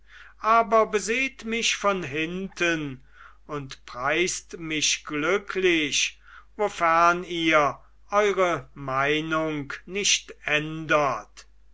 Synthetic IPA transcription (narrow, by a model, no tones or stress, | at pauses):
ʔaːbɐbəzeːtmɪʃfɔnɦɪntən | ʊntpʁaɪstmɪʃɡ̥lʏkʰlɪʃ | vofæʁniːɐ | ʔɔʏʁəmaɪnʊŋknɪʃtɛndət